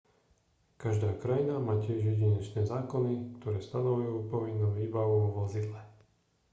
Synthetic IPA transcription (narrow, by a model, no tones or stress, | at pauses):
kaʒd̪aːkɾajinamaːcɪɛʒjɛɟiɲɛt͡ʃnɛːzaːkɔnik̚t̪ɔɾɛːst̪anɔʋujuːpɔʋinːuːʋiːbaʋuʋʋɔzid̪lɛ